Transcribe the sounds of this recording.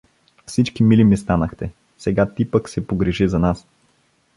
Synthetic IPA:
fsit͡ʃkimilimist̪anəxt̪ɛ | sɛɡat̪ipəksɛpoɡɾɛʒizɐnas

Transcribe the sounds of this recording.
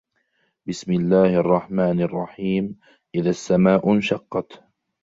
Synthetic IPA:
bɪsmɪlːaːhʔɑrˤːɑħmaːnɑrˤːɑħiːm | ʔɪðasːamaːʔʊnʃɑqːɑt̪

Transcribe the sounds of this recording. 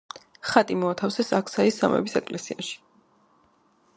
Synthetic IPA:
χat̪ʼimɔat̪ʰafsɛsakʰsaisːa̰mɛ̰bisɛkʼlɛsiaʃi̥

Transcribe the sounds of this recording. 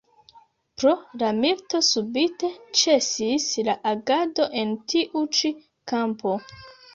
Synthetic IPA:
pɾo̞lamilto̞subite̞t͡ʃe̞sislaʔaɡado̞ʔe̞ntiʔut͡ʃi | kampo̞

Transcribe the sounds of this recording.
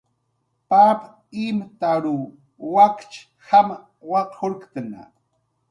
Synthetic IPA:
pap | imat̪aɾu | wakt͡ʃ | xama | wɑqxoɾkt̪əna̰

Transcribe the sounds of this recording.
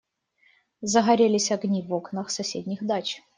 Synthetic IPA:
zəɣɐɾʲelʲɪsʲɐɡnʲivoknəxsɐsʲedʲnʲɪxd̪at͡ɕ

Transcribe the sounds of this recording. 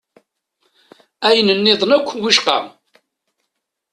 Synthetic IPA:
æjnənːɪðˤnækʷːwiʃqɑ̰

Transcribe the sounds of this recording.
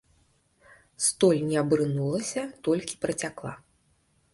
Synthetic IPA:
st̪ɔlʲnʲɛɐbɾɨnulˠɐsʲɐt̪ɔlʲkʲi̥pɾɐt͡sʲaklˠa̰

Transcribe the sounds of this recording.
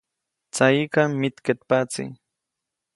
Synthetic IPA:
t͡sajikamɪt̪ket̪pat͡sḭ

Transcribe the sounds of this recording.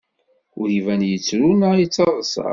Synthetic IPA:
ʊɾjivænjət͡sːɾunajit͡sːɑðˤəsɑ̰

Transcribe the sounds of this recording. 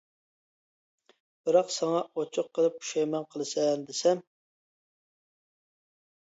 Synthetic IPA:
b̥ɪɾɑqsɑŋɑʔot͡ʃʰʊqʰːəlˠɨp̚u̥ʃɛjmɛnqʰəlˠɨsɛnd̪ɪsɛm

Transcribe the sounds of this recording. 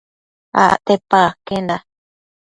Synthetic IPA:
a̰ʔʔt̪epakend̪a

